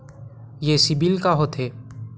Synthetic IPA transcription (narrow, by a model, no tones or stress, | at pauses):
jeːsɪbilkaɦot̪ʰeː